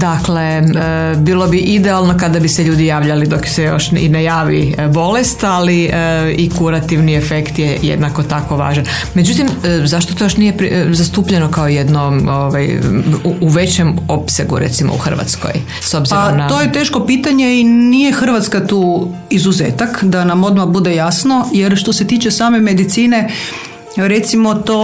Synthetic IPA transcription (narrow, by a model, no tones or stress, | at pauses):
d̪akle | bilˠo̞biʔid̪ɛalˠno̞kad̪abiseʎuːd̪ijaːʋʎalid̪o̞ksɛjo̞̰ʃḭnejaːʋibo̞lest̪aliikuɾat̪iʋniefekt̪jejḛd̪nako̞t̪ako̞ʋa̰ːʒan | me̞d͡ʒut̪imzaʃt̪ot̪ojoʃnijepɾzast̪uːpʎeno̞kaojed̪nooʋaj | uʋe̞t͡ɕemo̞pseɡṵɾḛt̪simo̰ṵxr̩ʋa̰t̪sko̰j | so̞bziɾaomnat̪ojet̪e̞ːʃko̞piːt̪aɲeinijexr̩ʋat̪skat̪uː | izuzeːt̪akd̪anamo̞d̪mabud̪ejasnojeɾʃt̪o̞se̞t̪iːt͡ʃe̞saːme̞med̪it̪siːne̞ | ɾe̞t̪simot̪o